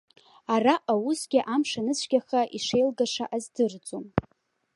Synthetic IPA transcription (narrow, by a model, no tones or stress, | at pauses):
araʔawusɡʲɪʔamʂanɨsʷʰɡʲaχaʔiʂejlɡaʂa̰ʔazdɨrt͡sʼom